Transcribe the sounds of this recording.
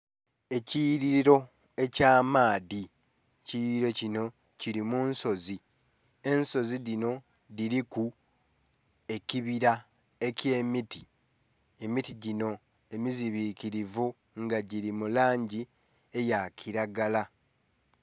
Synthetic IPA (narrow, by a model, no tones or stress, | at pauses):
e̞ciɾiɾo̞ | e̞caːmaːði | ciɾiɾo̞cino̞ | ciɾimunso̞zi | e̞nso̞ziðino̞ | diɾiku | e̞ciβiɾa | e̞ce̞ːmiti | e̞mitiɟino̞ | e̞miziβiːkiɾivu | ŋɡaɟiɾimulaːɲɟi | e̞jacʰiɾaɡala